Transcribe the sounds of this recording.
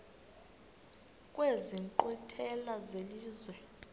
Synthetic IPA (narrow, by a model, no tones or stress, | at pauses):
kʼweziŋǃɔtʰɛlazeliːzwɛ